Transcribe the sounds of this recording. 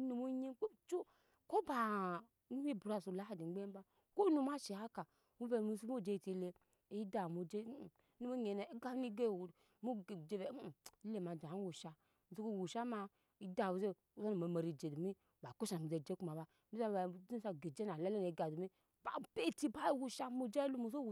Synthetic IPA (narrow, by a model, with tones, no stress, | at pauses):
nu˨mu˦ɲi˦k͡po˦˨t͡ʃo˦ | ko˦ba˨ | nu˦mi˦bu˨ɾa˦˨su˨la˦a˦di˨˦ɡ͡be˦ba˦ | ko˦nu˦ma˦ʃi˨ha˦ka˨ | mu˦be˨mu˦su˦mu˦˨d͡ʒe˦˨te˨˦˨le˦ | i˦da˨mu˨d͡ʒe˦˨˦nu˦u˦ɲe˨na˨i˦ɡa˦ni˦ɡe˦˨wu˨ | mu˦˨d͡ʒe˦be˨˦˨i˦le˦˨ma˨d͡ʒa˨˦wu˨ʃa˦ | m˨u˦ku˦˨wu˨ʃa˦ma˧ | i˦da˨wu˨ze˦ | u˦za˦nu˨ma˨ma˨ɾi˨d͡ʒe˨du˨mi˦ | ba˨ku˦ʃa˨n˨mu˨ze˨d͡ʒe˦ku˦ma˨ba˦ | nu˦a˦˨a˨˦di˦n˦sa˨ɡe˨d͡ʒe˦na˨la˦le˦ne˨i˨˦ɡa˨du˨mi˦ | ba˨pe˦ti˦ba˦i˦wu˦ʃa˦mu˦d͡ʒe˦lu˦mu˦˨so˦wu˨